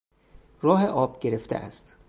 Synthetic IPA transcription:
ɾɒːɦeʔɒːb̥ɟe̞ɾe̞ft̪eʔæ̰st̪

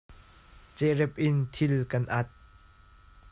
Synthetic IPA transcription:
t͡sɛrɛp̚ʔɪnt̪ʰɪlkɐnʔɐt̪̚

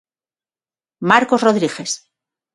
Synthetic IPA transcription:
maɾkozroðɾiɣe̞s

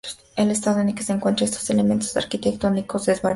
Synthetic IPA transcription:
ele̞s̬t̪aðoenelkeseŋkwe̞nt̪ɾaest̪oselement̪o̥sa̰ɾkit̪ekt̪onikozd̪ezβaɾ

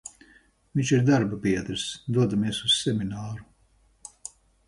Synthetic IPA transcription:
viɲt͡ʃiɾd̪aɾbapiɛd̪ɾsd̪uɔd̪amiɛsussɛminaːɾu

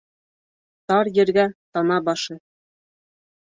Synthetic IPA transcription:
t̪ɑɾjɘ̆ɾɡæt̪ɑnɑbɑʃɤ

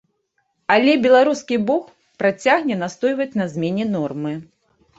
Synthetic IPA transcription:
alʲɛbʲɛlˠaɾuskʲibɔx | pɾat͡sʲaɣnʲɛnast̪ɔjvɐt͡sʲnɐzʲmʲɛnʲɛnɔrmɨ

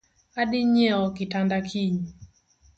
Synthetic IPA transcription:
aɗiɲɛɔkitandakʰiɲi

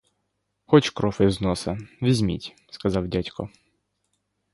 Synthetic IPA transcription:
xɔt͡ʃkɾɔfɪwznɔsɐʋʲizʲmʲḭtʲ | skɐzɑwdʲatʲkɔ

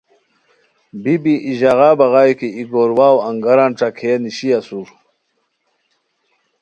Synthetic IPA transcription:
bibiʔiʑaɣaːbɐɣaːjkiiɡoɾwaːwɐŋɡɐɾanʈ͡ʂakʰeaniɕiasuɾ

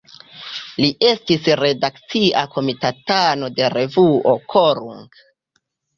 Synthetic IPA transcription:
liʔe̞stisɾe̞dakt͡siʔakʰo̞mitatano̞de̞ɾe̞vuʔo̞kʰoɾuŋɡ

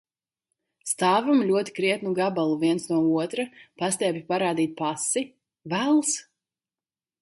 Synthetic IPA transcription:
st̪aːvamlʲuɔt̪i̥kɾiɛt̪nuɡabalˠuviɛnsnuɔuɔt̪ɾapast̪ʲɛːpʲipaɾaːd̪iːt̪̚pasi | vælˠs

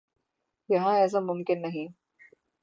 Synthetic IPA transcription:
jɐɦãɛːs̬amʊmkɪnːɐɦĩ

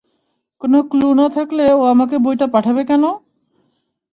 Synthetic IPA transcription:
konoklunat̪ʰakleoamakebojʈapaʈʰabekɛno

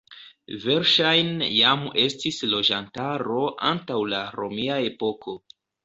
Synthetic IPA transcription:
ve̞ɾʃajnjame̞stislo̞d͡ʒantaɾo̞ʔa̰ntawlaɾo̞miae̞po̞kʰo̞

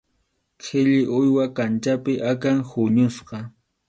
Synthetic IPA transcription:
kʰɪʎɪʔʊjwakant͡ʃapɪʔakaŋhʊɲʊsqɑ

